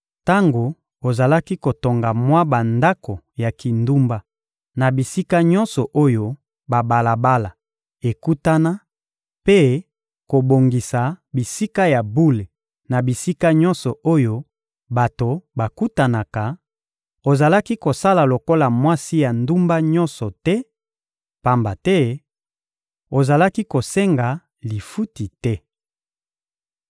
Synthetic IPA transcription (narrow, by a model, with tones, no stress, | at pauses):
ta˦ŋɡo˨ | o˨za˨la˦ki˦ko˨to˨ŋɡa˨mwa˦ba˨nda˦ko˨ | ja˨ki˨ndu˦mba˦ | na˨bi˨si˦ka˦ɲɔ˦nsɔ˨ʔo˦jo˦ | ba˨ba˨la˨ba˦la˨ | e˨ku˦ta˦na˦ | pe˦ | ko˨bo˨ŋɡi˨sa˨bi˨si˦ka˦ja˨bu˦le˨ | na˨bi˨si˦ka˦ɲɔ̃˦nsɔ˨ʔo˦jo˦ | ba˨to˨ba˨ku˦ta˨na˨ka˨ | o˨za˨la˦ki˦ko˨sa˦la˨lo˨ko˦la˨mwa˦si˦ja˨ndu˦mba˦ɲɔ˦nsɔ˨tɛ˦ | pa˦mba˨tɛ˦ | o˨za˨la˦ki˦ko˨sɛ˦ŋɡa˨ | li˨fu˦ti˨tɛ˦